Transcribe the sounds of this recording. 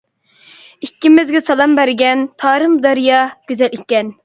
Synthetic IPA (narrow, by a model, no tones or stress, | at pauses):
ikʲːimɪzɡʲɛsɑlˠɑmbæɾɡʲɛnt̪ʰɑːɾɨmd̪ɑɾijɑɡ̥ʲyzɛlikʲːɛn